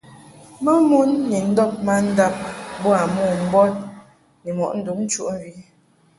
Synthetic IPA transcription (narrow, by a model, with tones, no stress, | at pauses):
ma˦mu˦nːi˨n̩˦dɔ˦p̚ma˦n̩˦da˦p̚bɔ˦a˨mɔ˦˨m̩˦bɔ˦t̚ | nɛ˨mɔ̰˨ʔn̩˦du˨˦kn̩˦t͡ʃu˦ʔm˨vi˨˦